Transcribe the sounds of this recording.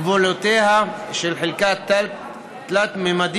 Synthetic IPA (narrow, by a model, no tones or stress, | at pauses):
volot̪ehaʃelħelkat̪ | t̪lat̪memad̪